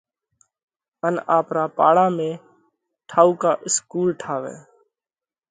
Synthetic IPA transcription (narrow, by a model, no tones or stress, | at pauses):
ənaːpɾaːpaːɽãːmẽː | ʈʰaːuːkaːʔɪskuːlʈʰaːʋḛ̃ː